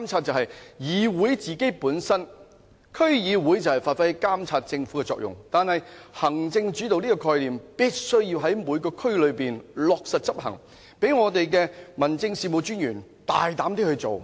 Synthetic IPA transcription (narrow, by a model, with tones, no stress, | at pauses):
ka˥mt͡sʰaː˧t̚t͡sɐ˨whɐ˨jjiː˨˧wuː˨˥jt͡siː˨˩ke˥jpuː˨˥nsɐ˥n | kʰɵ˥ɥjiː˨˧wuː˨˥jt͡sɐ˨˩whɐ˨˩jfaː˨t̚fɐ˥jkaː˥mt͡sʰaː˧t̚t͡sɪ˧ŋfuː˨˥kɛ˧t͡sɔ̰ː˧˨k̚jʊ̰˨ŋt̪aː˨nhɐ˨jhɐ˨˩ŋt͡sɪ˧ŋt͡ʃy˨˥t̪o˨wniː˥kɔː˧kʰɔː˧jliː˨mpiː˥t̚sɵ˥ɥjiː˧wɦɐ˨˥jmuː˨˧jkɔː˧kʰɵ˥ɥlɵ˨˧ɥpiː˨nlɔː˨k̚sɐ˨t̚t͡sɐ˥p̚ɦɐ̰˨˩ŋ | pe˨˥jŋɔː˨˧t̪e˨jkɛː˧mɐ˨˩nt͡sɪ˧ŋsiː˨mo˨˧wt͡ʃyː˥njyː˨˩nt̪a̰ː˨˩jt̪aː˨˥mt̪i˥hɵ˧ɥt͡so̰˨w